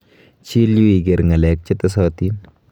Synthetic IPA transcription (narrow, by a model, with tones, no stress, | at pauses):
t͡ʃi˦lju˦i˨ɡe˨ɾŋɐ˨lɛ˨k̚t͡ʃɪ˦tɐs̬ɔ˦ti˦n